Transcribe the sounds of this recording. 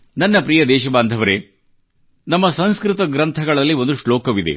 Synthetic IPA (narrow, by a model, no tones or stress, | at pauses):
nɐnːɐpɾijɐd̪ɛːʃɐbaːnd̪ʱɐʋɐɾe | nɐmːɐsɐnskɾit̪ɐɡɾɐnt̪ʰɐɡɐɭɐlːio̞nd̪uʂɭoːkɐʋid̪e̞̰